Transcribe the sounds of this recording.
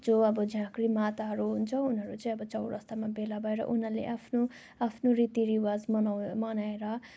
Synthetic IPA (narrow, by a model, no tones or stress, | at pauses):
d͡zoʌbʌd͡zãkɾimat̪aɦʌɾuɦunt͡sʰʌunɦʌɾut͡sʌĩʌbʌt͡sʌwɾʌ̰st̪amabelabʱʌeɾʌ̰ʔunalḛʔapʰno | apʰnoɾit̪iɾiwad͡zmʌmʌnaeɾʌ